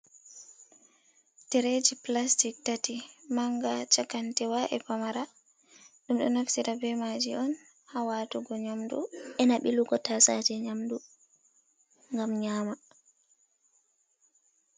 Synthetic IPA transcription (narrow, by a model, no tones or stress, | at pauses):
tɛɾed͡ʒiplastik̚tatimaŋɡat͡ʃakantɛwaʔɛpamaɾa | ɗumɗɔ̰nafsiɾabɛmad͡ʒiɔn | hawatuɡɔɲamdṵʔɛnaɓiluɡɔtasad͡ʒɛɲamdu | ŋɡamɲaːma